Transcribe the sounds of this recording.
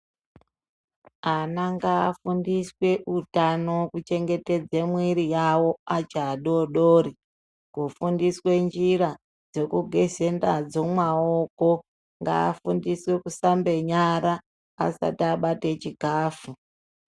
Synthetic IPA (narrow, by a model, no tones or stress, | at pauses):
anaŋɡaːfundiswe̞ʔutanokut͡ʃe̞ŋɡe̞te̞d͡zemwiɾijawo̞at͡ʃaːɗoɗoːɾi | kufundiswe̞nd͡ʒiɾa | d͡zo̞kuɡʱe̞ze̞ndad͡zomwaoko̞ | ŋɡa̰ːfundiswe̞kusambe̞ɲaɾa̰ː | sa̰tiaɓatet͡ʃiɡʱaːfu